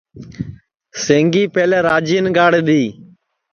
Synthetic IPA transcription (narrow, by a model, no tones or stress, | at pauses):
sẽːŋɡiːpeːlɛːɾaːd͡ʒiːnɡaːɽɗ̪iː